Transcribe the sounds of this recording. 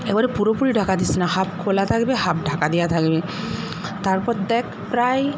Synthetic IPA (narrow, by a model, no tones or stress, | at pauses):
ɛk̚baɾɛpuɾopuɾiɖʱakad̪isinaɦap̚kʰolat̪ʰakbehap̚ɖʱakad̪ijat̪ʰakbe | t̪aɾpɔt̪d̪ɛkʰ | pɾaj